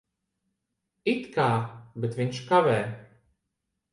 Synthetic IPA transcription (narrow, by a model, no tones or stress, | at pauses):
it̪kaːbɛt̪vinʃkavɛː